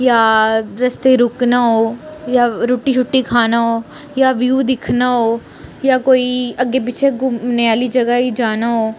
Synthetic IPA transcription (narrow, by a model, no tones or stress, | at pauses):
jaːɾɐst̪eɾʊknaɦoːjaːɾoːʈit͡ʃʰʊʈːikʰaːnaɦoː | jaʋjuːd̪ɪkʰnaɦoː | jaːkoːiɐɡep̬it͡ʃʰeɡʊmneaːlid͡ʒɐɡaɦid͡ʒaːnaɦoː